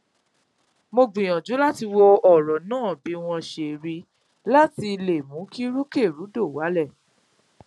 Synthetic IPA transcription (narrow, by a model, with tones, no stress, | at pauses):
mo˧ɡ͡bĩ˨j̃ã˨d͡ʒu˨˦la˦ti˧wɔ˧ɔ˦˨ɾɔ˨nãː˦˨bi˨˦w̃ɔ̃˧ʃe˨ɾi˧ | la˦ti˧le˨mũ˨˦ki˦ɾu˦ke˦˨ɾu˨˦do˦˨wa˨˦lɛ˦˨